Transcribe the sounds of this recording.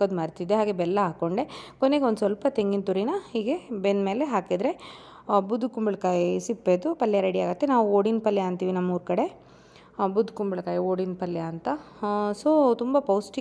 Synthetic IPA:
od̪maːɾt̪id̪ːeɦaːɡe̞bɛlːɐɦaːko̞ɳɖe̞koneɡeond̪usʋɐlpɐt̪eŋɡint̪uɾinɐhiːɡe̞benmeːle̞ɦaːkid̪ɾe̞ | bud̪ʱːukumbɐɭkaːjisipːeːd̪upɐlːjɐɾeɽiaːɡut̪ːenaːʋuoːɽinpɐljaːnt̪iːʋinɐmːuːɾkɐɽe̞ | bud̪ʱːukumbɐɭɐkaːjioːɽinpɐlːjaːnt̪ɐsoːt̪umbɐpɐwsʈi

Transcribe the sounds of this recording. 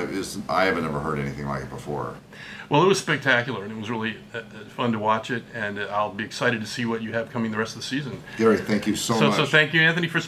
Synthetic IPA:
ɪza̰ɪhævɨ̃nɛvə˞hɜ˞ɾɛ̰niθɪ̃ŋla̰ɪkɨt̚b̥əfɔ̰ɹ | wʔɛlˠət̚wʌz̥spɛk̚tʰækjl̩ˠə˞ɨ̃nɨt̚wʌzɹɪlˠi | fʌ̃ntəwɑt͡ʃɪɾɨ̃naɪlˠbiɨksaɪɾɨd̚tʰɨsiwʌt͡ʃɨːv̥kʰʌ̃mɪ̃ŋðɨɹɛstʌvðəsizɨ̃nɡ̥ɛɹiθæ̃ŋkjɨsoʊosoʊθæ̃ŋkjɨæ̃nθɨnifə˞

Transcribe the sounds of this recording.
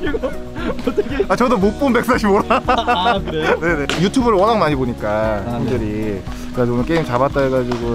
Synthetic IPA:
tat͡ɕʌdomop͈umbe̞k̚s͈aɕʰimoɾa | ne̞ne̞jutʰubɯɾɯɭwʌnaŋmaɲiboɲik͈aemdɯɾi | kɯɾad͡ʑonɯnk͈e̞imt͡ɕabat̚t͈aeɡad͡ʑiɡo

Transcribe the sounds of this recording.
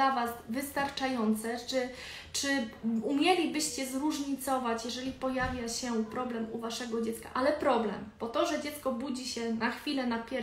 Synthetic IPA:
avasvɘst̪aɾt͡ʂajɔnt̪sɛt͡ʂɘ | t͡ʂɘumʲjɛlʲibɘɕt͡ɕɛzɾuʐɲit̪sɔvat͡ɕjɛʐɛlʲipɔjavʲjaɕɛpɾɔblɛmuvaʂɛɡɔd͡ʑɛt̪ska̰ʔalɛpɾɔblɛ̰mb̥ɔt̪ɔʐɛd͡ʑɛt̪skɔbud͡ʑiɕɛnaxfʲilɛnapʲɛ

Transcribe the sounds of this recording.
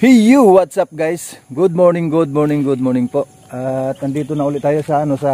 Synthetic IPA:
pijuwat̪sap̚ɡajsɡʊd̪̚mɔɹnɪŋɡʊd̪̚mɔɹnɪŋɡʊd̪̚mɔɹnɪŋpoʔ | at̪ɐnd̪iːt̪onɐʔuːlɪt̪t̪aːjosɐɐnosɐ

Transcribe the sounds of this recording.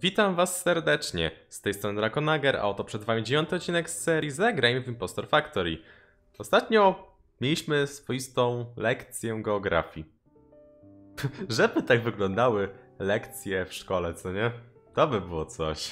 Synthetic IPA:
vʲit̪amvasːɛɾd̪ɛt͡ʂɲɛ̰st̪ɛjst̪ɾɔnɘɾakɔnaɡɛɾʔa̰ɔt̪ɔpʂɛd̪vamʲid͡ʑevʲjɔnt̪ɘɔt̪̚t͡ɕːinɛksːɛɾʲjizaɡɾajmvimpɔst̪ɔɾfakt̪ɔɾi | ɔst̪at̪ɲɔ | mʲjelʲiɕmɘsfɔjist̪ɔ̃w̃lɛkt̪sʲjɛɡɛɔɡɾa̰fʲji | ʐɛbɘt̪aɡvɘɡlɔnd̪awɘlɛkt̪sʲjɛfʂkɔlɛt̪sɔɲɛt̪ɔbɘbɘwɔt̪sɔɕ

